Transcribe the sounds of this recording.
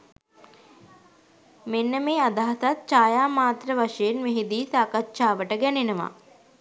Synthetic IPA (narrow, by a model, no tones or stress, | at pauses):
menːəmeːad̪aɦasat̪̚t͡ʃaːjaːmaːt̪rəʋaʂəjenmeɦid̪iːsaːkatːʃaːʋəʈəɡænenəʋa̰